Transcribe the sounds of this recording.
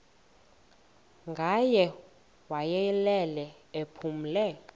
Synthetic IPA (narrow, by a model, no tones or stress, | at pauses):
ŋɡʱajɛ | wajɛlɛlɛepʰum̩lɛ